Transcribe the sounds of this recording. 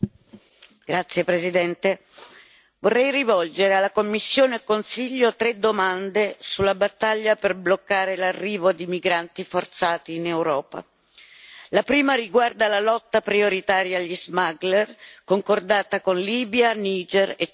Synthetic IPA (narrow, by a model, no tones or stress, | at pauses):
ɡ̥ɾat̪sːjepɾezid̪ɛnt̪e | vorːɛjrivɔld͡ʒeɾealːakomːisːjoːneɛkːonsiʎːot̪ɾed̪ːomand̪esulːabat̪ːaʎːaperblokːaːɾelarːiːvod̪imiɡɾant̪ifort̪saːt̪iːnewɾɔːpa̰ | lapɾiːmariɡward̪alalɔt̪ːapɾioɾit̪aːɾjalizmaɡlɛrkoŋkord̪aːt̪akonliːbjaniːd͡ʒɛre